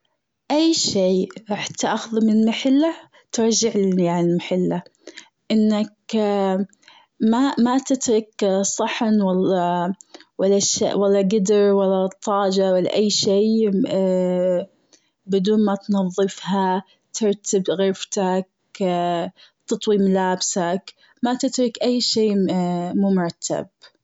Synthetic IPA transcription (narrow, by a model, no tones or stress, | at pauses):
ʔajːʃiːɾˤɑħt̪aʔaxʊðmɪmaħɪlːa | t̪ɪɾˤd͡ʒɪʕlɪjaʕnɪlmaħɪlːa | ʔɪnːak | mamat̪ɪt̪ɾˤɪksˤɑħnwalːɑ | walːaʃa̰walːɑɡɪd̪ɪɾwalːat̪ˤːɑːd͡ʒawalːa̰ʔajːʃiː | bɪd̪uːnmat̪nɑðˤːɨfha | t̪ʰɪɾˤt̪ʰɪbɣɪɾft̪ak̚ | t̪ɑt̪ˤwiːmlaːbsak | mat̪ɪt̪ɾˤɪkʔajːʃiːmuːmʊɾˤat̪ʰːa̰b̚